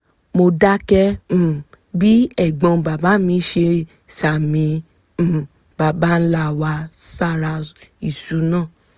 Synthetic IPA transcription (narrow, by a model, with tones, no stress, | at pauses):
mo˧da˦kɛ̃˧˨ | bi˦ɛ˦˨ɡ͡bɔ̃˧ba˨ba˨˦mĩ˧˦ʃe˧ | sa˨mĩ˨˧˨ | ba˨ba˦n̩˦la˧˨wa˧sa˦˨ɾa˧i˨su˨˦nãː˦˨